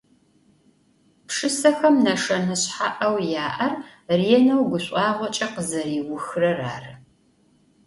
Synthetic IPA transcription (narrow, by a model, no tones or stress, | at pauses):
pʂɨsɐxɐmnɐʂɐnɐɕħaʔɐwjaːʔɐrriɛnɐwɡʷʊɕʷʼɑːʁʷɔt͡ʃʼɐqəzɐriːwʊxrɐra̰ːrɨ